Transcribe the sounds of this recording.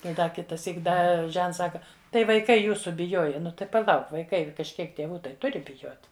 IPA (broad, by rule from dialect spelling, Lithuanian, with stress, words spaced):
ˈtɐɪ ˈdɐ kʲɪtɐˈsʲiːk ˈdɐ ˈʒʲɛnts ˈsɑːkɐ tɐɪ ʋɐɪˈkɐɪ ˈjuːsʊ bʲɪˈjoːjɛ ˈnʊ tɐɪ pɐˈlˠɐʊk ʋɐɪˈkɐɪ kɐʃʲˈkʲiɛk tʲeːˈʋuː ˈtɐɪ ˈtʊrʲɪ bʲɪˈjoːt